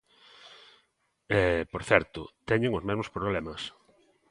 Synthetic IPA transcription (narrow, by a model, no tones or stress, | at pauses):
ɛpoɾθɛɾt̪ʊ̰t̪ɛɲeŋʊzmezmospɾoβlɛmɐs